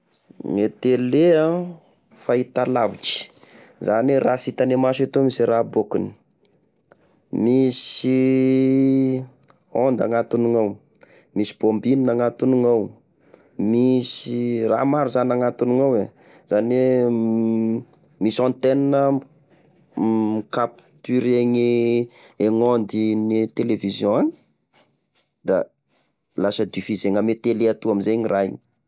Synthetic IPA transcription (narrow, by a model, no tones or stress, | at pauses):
ŋet̪eleã | fait̪alavit͡ʃi̥ | zanerasit̪anemaʃet̪omisirabokuni̥ | misi | ond̪a̰ŋat̪uniŋaw | misi̥b̥ombininaŋat̪uniŋaw | misira̰maɾuzanaŋat̪uniŋawe | z̥ane | misɔ̃nt̪eninə | ikapt̪iɾeŋe | eŋond̪init̪elevizjɔ̃ani̥ | d̪̥a̰ | lasəd̪ifizeŋamet̪eleat̪uamizejɲiraḭɲi̥